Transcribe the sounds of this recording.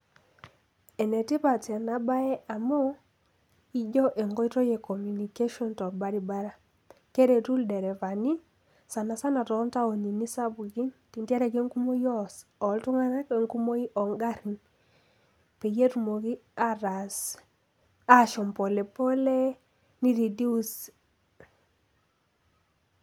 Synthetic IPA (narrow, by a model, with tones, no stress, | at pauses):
ɛ˨nɛ˨ti˦pa˨ta˨na˨ba˦ɛ˦ʔa˨mɔ˦ | i˦d͡ʒɔ˦ʔe˨ŋɡɔ˦i˦tɔ˦je˨kɔ˨mju˨ni˨ke˦ʃɔ˦ntɔ˨ba˦ɾi˨ba˦ɾa˦ | ke˦ɾe˨tu˦ldɛ˨ɾɛ˨va˨ni˦ | sa˨na˨sa˦na˨tɔ˨˦nta˦o˨ni˨ni˦sa˦bu˨ɡi˦nti˨ntja˦ɾa˨ɡe˦ŋku˦mo˦jɔ˦sɔ˨ltʊ˦ŋa˦na˦ke˨ŋku˦mo˦i˦ʔɔ˨ŋɡa˦ɾi˨n | pe˨je˦tu˨mo˨ɡi˦a˦ɾa˨s | a˦ʃɔ˨mpo˨le˨po˦le˦ | ni˦ɾi˨di˦u˦s